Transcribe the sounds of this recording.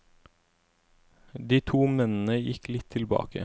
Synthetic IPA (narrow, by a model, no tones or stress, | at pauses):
d̪iːt̪ʰuːmɛnn̩əjɪklɪt̪ʰɪlbɑ̰ːkə̰